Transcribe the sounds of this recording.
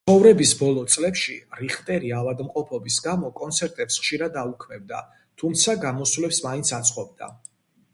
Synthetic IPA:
t̪sχɔvɾɛbisbɔlˠɔt̪sʼlɛpʃiɾiχt̪ʼɛɾiavad̪mqʼɔpʰɔbisɡamɔkʼɔnt̪sʰɛɾt̪ʼɛpsχʃiɾad̪aukʰmɛb̚d̪a̰ | t̪ʰumt̪sʰaɡamɔswlɛpsmaint̪sʰat̪sʼqʼɔb̚d̪a̰

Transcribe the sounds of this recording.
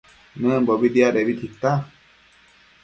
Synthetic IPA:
nəbɔbid̪ijaɗebit̪ʰikt̪ːa

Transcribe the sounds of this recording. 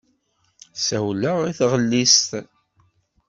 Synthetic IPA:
sæwləʁiθʁəlːist̪

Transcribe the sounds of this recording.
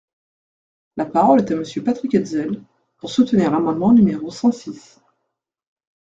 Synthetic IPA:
lapaʁɔlɛt̪aməsjøpat̪χikɛd̪zɛl | puʁsut̪əniʁlamɑ̃d̪mɑ̃nymeʁosɑ̃sis

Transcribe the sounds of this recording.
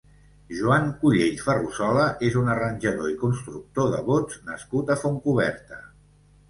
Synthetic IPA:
ʒuaŋkuʎeʎfərusɔləʔezunərənʲʒəðoikunst̪ɾuk̚t̪oðə̰βod͡znəskut̪əfoŋkuβɛ̰ɾt̪ə

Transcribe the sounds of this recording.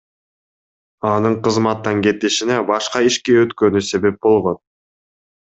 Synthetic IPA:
ɑnɯɴqɯzmɑt̪ːɑŋke̞t̪iʃinebɑʃqɑiʃkeøt̪kø̞nyse̞βe̞p̚bo̞lˠʁo̞n

